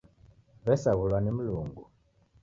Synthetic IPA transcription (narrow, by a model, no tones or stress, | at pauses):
βɛsaɣulwanim̩luŋɡu